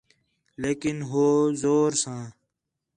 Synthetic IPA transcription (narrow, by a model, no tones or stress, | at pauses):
leːkɪnɦoːzoːɾsãː